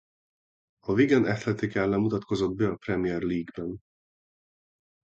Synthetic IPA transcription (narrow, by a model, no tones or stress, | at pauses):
ɒviɡɛnɛt̪lɛt̪ikɛlːɛmːut̪ɒt̪ko̞zo̞d̪bɛɒprɛmijɛrliːɡbɛn